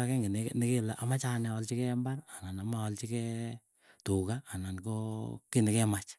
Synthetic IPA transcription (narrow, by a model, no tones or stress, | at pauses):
akɛŋɡinenɪkelaʔamat͡ʃanɛɔlt͡ʃikɛmbarananamaɔlt͡ʃikɛ | tukaːnankokinɪkɛmat͡ʃ